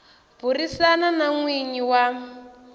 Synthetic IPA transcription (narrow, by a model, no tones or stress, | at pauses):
b̥urisananaŋwiɲiwa